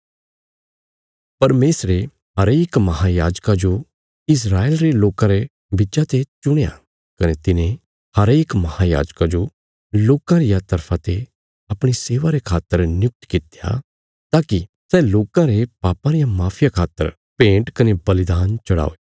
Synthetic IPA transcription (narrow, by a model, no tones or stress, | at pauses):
pɐɾmeːsɾe | ɦɐɾeːkmɐɦajaːd͡ʒkad͡ʒo | ɪs̬ɾaːeːlɾeloːkãɾe | bɪd͡ʒat̪et͡ʃʊɽ̃eja̰ | kɐnet̪ɪnẽ | hɐɾeːkmɐhaja̰ːd͡ʒkad͡ʒo | loːkãɾɪjat̪ɐɾpʰãt̪e | ɐpɽ̃iseːʋaɾekʰaːt̪ːəɾnʊk̚t̪kɪt̪eja̰ | t̪aːki | sɛːloːkãɾepaːpãɾɪjamaːpʰɪjakʰaːt̪ːə̰ɾ | pẽːɳʈkɐnebɐlɪd̪aːnt͡ʃɐɽa̰ːoeː